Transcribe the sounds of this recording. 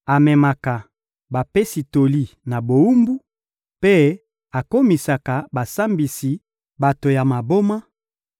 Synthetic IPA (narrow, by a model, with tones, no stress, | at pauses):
a˨mɛ˨ma˨ka˨ | ba˨pe˦si˨to˨li˦na˨bo˨u˦mbu˦ | pe˦ | a˨ko˦mi˨sa˨ka˨ba˨sa˦mbi˨si˨ | ba˨to˨ja˨ma˨bo˦ma˦